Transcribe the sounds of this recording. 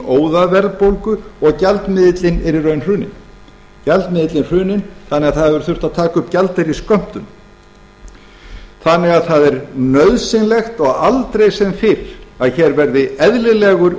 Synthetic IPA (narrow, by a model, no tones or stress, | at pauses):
oːwðavɛɾðpowlkʏɔɣcalt̪mɪðɪt̪lɪnɛɾɪrœɥnr̥ʏːnɪ̰n | calt̪mɪðɪt̪lɪnr̥ʏːnɪnθanːɛɣaðθaðvɛɾʏ̥θʏr̥t̪aðt̪ʰaːkʏpcalt̪ɪɾiskœm̥t̪ʏn | θanːɛɣaðθaðɛɾnœɥðsɪnlɛxt̪ɔɣalt̪ɾejsɛmfɪɾaðçɛːɾvɛɾðɪɛðlɪlɛɣʏɾ